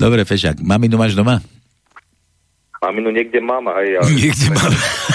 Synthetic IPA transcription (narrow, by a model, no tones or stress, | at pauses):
d̪ɔbɾɛfɛʃa̰kmaminumaːʒd̪oma | maminuɲɛɡ̚dɛmaːmɦɛjaɲɛɡɟɛmaːm